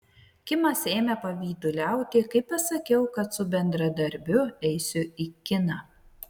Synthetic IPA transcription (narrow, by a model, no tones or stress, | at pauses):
kʲɪmɐseːmʲɛpɐʋʲiːd̪ʊlʲæˑʊt̪ʲɪkɐɪpɐsɐkʲɛʊkɐt̪sʊbʲɛnd̪ɾɐd̪ɐɾʲbʲʊɛɪsʲʊikʲɪnɑ